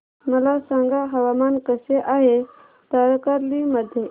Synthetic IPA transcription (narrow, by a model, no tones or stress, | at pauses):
məlasãŋɡaɦəʋamankəseʔaɦe | t̪əɾkəɾliməd̪ʱje